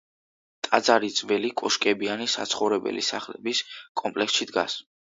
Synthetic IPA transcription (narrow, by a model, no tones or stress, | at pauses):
t̪ʼad̪zaɾizʼvɛlikʼɔʃkʼɛbianisa̰t̪sʰχɔvɾɛbɛ̰lḭsaχlɛbiskʼɔmpʼlɛksʃid̪ɡas